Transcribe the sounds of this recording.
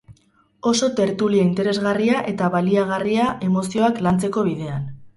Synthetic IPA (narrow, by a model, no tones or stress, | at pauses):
o̞so̞t̪e̞ɾt̪uliaint̪e̞ɾe̞zɣariaʔe̞t̪aβaliaɣ̞ariaʔe̞mo̞sio̞aklant͡se̞ko̞βiðe̞an